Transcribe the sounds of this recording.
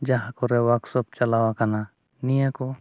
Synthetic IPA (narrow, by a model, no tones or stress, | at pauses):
d͡ʒaɦakɔɾɛwaksɔp̚t͡ʃalawakana | nijakɔ